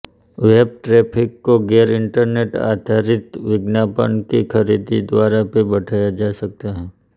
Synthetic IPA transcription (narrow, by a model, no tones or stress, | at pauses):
ʋeːb̚ʈɾeːpʰɪkːoɡeːɾɪ̃ɳʈəɾneːʈa̰ːd̪ʱaɾɪt̪ʋɪɡnaːpə̰ɳkikʰɐɾiːd̪id̪ʋaːɾapebɐʈʰaːjad͡ʒaːsɐk̚t̪aɦɛ̃ː